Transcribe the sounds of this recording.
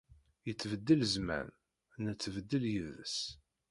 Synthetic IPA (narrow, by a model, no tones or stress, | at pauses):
jət͡sːvəd̪ːələzmæ̰n | nət͡sːvəd̪ːəljəðəs